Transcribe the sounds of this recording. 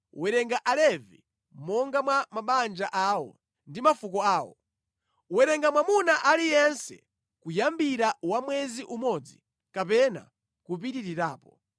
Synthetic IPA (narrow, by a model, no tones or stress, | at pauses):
wɛɾɛŋɡaʔalɛvi | mɔŋɡamwamaɓand͡ʒaʔaːwɔ̰ | ndimafukɔaːwɔ̰ | wɛɾɛŋɡamwamunaʔalijɛnsɛ̰ | kujambiɾawamwɛziʔumɔd͡zi | kapɛna̰ | kup̬iɾiɾiɾaːpɔ